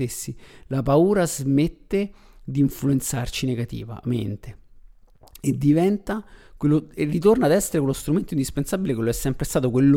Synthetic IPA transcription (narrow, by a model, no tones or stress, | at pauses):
esːilapauːɾazmet̪ːe | d̪iːɱfluent̪sart͡ʃineɡat̪ḭːva̰mḛnt̪e | ed̪ːivɛnt̪akwelːoerːit̪ornaːd̪ɛsːeɾek̬welːost̪ɾument̪oind̪ispensabilekeloɛsːɛmpɾest̪aːt̪okwelːo